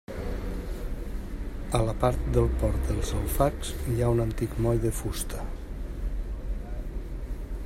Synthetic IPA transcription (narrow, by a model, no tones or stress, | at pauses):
ələpaɾt̪̚d̪əlˠpɔɾt̪d̪əlˠzalˠfaksjaunənt̪ikmɔjðəfust̪ʰə